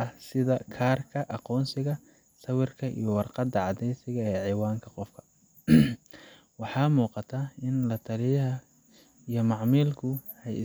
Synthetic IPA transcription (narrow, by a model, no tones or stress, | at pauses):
ɐsɪðɐkʰaːrkʰɐʔɑqɔːnsɪɣɐ | sɐwɪrkʰɐʔḭjɔwɑrqɑd̪ɐʕɑd̪ɛjsɪɣɐɛːʕɪwaːŋkʰɐqɔfkʰɐ̥ | wɑħɑːmuːqɑt̪ʰaːɪnlɐt̪ʰɐlɪjɐɦɐ | ijɞmɑʕmiːlkʰʊ | ɛjɪ̰